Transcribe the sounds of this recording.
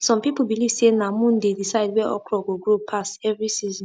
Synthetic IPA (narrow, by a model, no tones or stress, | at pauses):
sɔ̃mpipl̩biliv̥senamũndedisaɪdwɛʔɔ̰kɹɔɡoɡɾopʰasɛvɹisizɔ̃